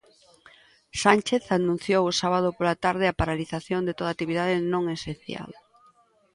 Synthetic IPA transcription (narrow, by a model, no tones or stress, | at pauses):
sant͡ʃeθanũn̟θjowʊsaβað̞opolat̪aɾðɪapaɾaliθaθjond̪et̪oðat̪iβiðað̞ɪnõŋesenθja̰l